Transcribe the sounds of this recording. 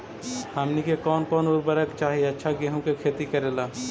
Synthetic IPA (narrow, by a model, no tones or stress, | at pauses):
həmnikekɔːnkɔːnʊɾbəɾəkt͡ʃaːɦieɐtːʃʰaɡeːɦũkekʰeːt̪ikɐɾeːlaː